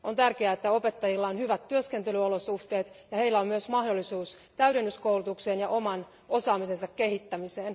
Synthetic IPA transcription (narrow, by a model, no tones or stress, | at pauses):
ont̪ærkeæet̪ːæo̞pet̪ːɑjilːɑonhyʋæt̪tyøskent̪elyolosuht̪e̞ːt̪jɑhe̞ilːæommyøsmɑhdolːisuːst̪æydenːyskowlut̪ukseːnjɑʔomɑn | o̞sɑːmisensɑkːehit̪ːæmiseːn